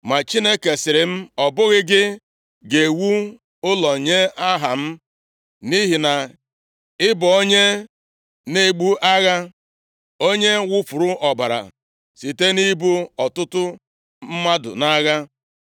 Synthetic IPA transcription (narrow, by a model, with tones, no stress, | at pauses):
ma˨t͡ʃi˦ne˦ke˨sɪ˨ɾɪ˨m̩˦ɔ˨bʊ˦ɣɪ˦ɡɪ˦ | ɡe˨wu˦ | ʊ˦lɔ˨ɲe˦a˦ɦa˨m̩˦ | ni˦ɦi˨na˨ | ɪ˦bʊ˨o˦ɲe˦ | ne˦˨ɡ͡bu˦ʔa˦ɣa˦ | o˦ɲe˦wʊ˦fʊ˨ɾʊ˦ʔɔ˨ba˨ɾa̰˨ | si˨te˦ni˦bu˦ɔ˨tʊ˦tʊ˦ | m̩˦ma˦dʊ̰˨na˦ɣa˦